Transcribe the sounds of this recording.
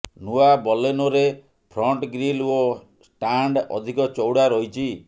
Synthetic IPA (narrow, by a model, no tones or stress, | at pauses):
nuabɔlenoɾe | pʰɾɔɳʈɡɾilo | sʈaɳɖɔ̰d̪ʱikɔt͡ʃɔwɽaɾɔɦit͡ʃʰi